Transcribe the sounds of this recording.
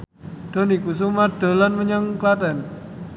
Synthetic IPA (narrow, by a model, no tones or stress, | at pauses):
d̥o̤nikus̬umaɖ̥a̤lanməɲəŋklat̪ɛn